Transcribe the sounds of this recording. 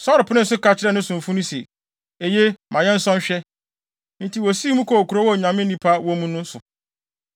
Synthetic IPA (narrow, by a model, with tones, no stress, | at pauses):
sɔ˦ɾɪ˨pʰʊ˦nɪ̃˦sʊ˦ka˦t͡ɕʰɪ˦ɾɛ˦nʊ̃˦sʊ̃˨ɱ˨fũ˦nʊ̃˦sie˨ | e˨je˦mã˨jɛ˦n̩˦sɔ̃˦n˦ɕᶣɛ˦ | n̩˦tʰi˨wo˨si˦mũ˦kʰo˨kʰu˨ɾo˦wɔ˦˨ɲã˨mɪ̃˦nĩ˦pʰa˦wɔ̃˦mũ˦nʊ̃˦sʊ˨